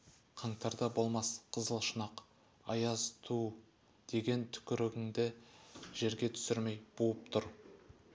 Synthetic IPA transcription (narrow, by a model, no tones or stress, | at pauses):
qʰɑɴt̪ɑɾd̪ɑbo̞lˠmɑsqʰəzəlˠʃənɑq | ɑjɑzt̪ʰu | d̪̥e̞ɡʲe̞nt̪ʰʏ̥kʲɪɾɪɡʲɪŋd̪ɪʒe̞ɾɡʲe̞t̪ʰʏ̥sɪɾme̞jb̥uəp̚t̪ʰʊɾ